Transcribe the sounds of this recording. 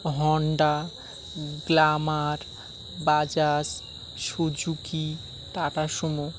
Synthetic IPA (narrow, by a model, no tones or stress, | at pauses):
ɦɔɳɖa | ɡlamaɾ | bad͡ʑas | ʃod͡ʑuki | t̪aʈaʃɔmɔ